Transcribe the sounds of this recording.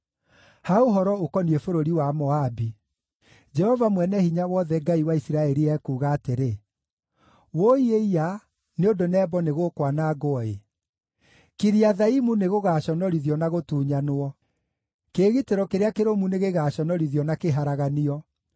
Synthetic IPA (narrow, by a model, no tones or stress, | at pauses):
haoɦɔɾɔokɔniefoɾoɾiwamɔabi | d͡ʒɛhɔvamwɛnɛhiɲawɔðɛɡaiwaisiɾaɛɾiɛkuːɣaːteɾe | woieia | neondonɛːbɔneɣokwanaɡoɔe | kiɾiaðaimuneɣoɣaɕɔnɔɾiðjɔnaɣotuːɲanoɔ | keːɣiteɾɔkeɾeakeɾomuneɣeɣaːɕɔnɔɾiðjɔnakeɦaɾaɣaniɔ